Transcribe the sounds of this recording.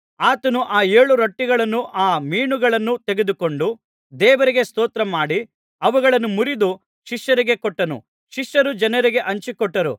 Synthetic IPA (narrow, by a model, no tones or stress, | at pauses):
aːt̪ɐnuʔaːeːɭuɾɐʈːiɡɐɭɐnːuʔaːmiːɳuɡɐɭɐnːut̪eɡe̞d̪uko̞ɳɖu | d̪ɛːʋɐɾiɡe̞st̪oːt̪ɾɐmaːɽi | ɐʋuɡɐɭɐnːumuɾid̪u | ʃiʂjɐɾiɡe̞kɔʈːɐnṵ | ʃiʂjɐɾud͡ʒɐnɐɾiɡe̞ʔɐɲt͡ʃikɔʈːɐɾṵ